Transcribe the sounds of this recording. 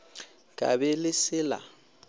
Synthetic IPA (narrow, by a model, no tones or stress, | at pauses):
kʼa̰bɛlɪsɪːla̰